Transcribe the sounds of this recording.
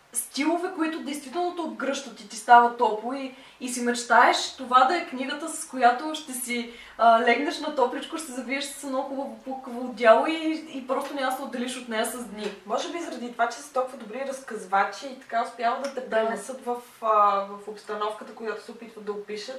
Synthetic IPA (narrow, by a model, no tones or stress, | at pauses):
st̪ilˠovɛkoit̪ʊd̪ɛjst̪vit̪ɛlˠnot̪oːd̪ɡɾɤʃt̪ət̪it̪ist̪avət̪ɔpˠʊiː | simɐt͡ʃt̪aɛʃt̪ovad̪ɐɛkniɡət̪əsɐ̥skojat̪oʃt̪ɛsi | lɛɡnɐʃnɐt̪ɔplit͡ʃkoʃsɛzɐviəʃsɛ̥səɛnoxubəvopukəvod̪ʲjalˠoiːpɾɔst̪ʊnʲaməsɛʊd̪ɛliʃot̪nɛjəsɐzd̪nimɔʒɛbizɐɾɐd̪it̪ovat͡ʃɛsət̪ɔlˠkuvəd̪ʊbɾiɾɐskɐzvat͡ʃiːt̪ɐ̥kaʊspʲjavəd̪ɐt̪ɛpɾɛnɛsət̪vəfəvɐfopst̪ɐnɔfkət̪əkojat̪o̥sɛʊpit̪vəd̪ɐopiʃət̪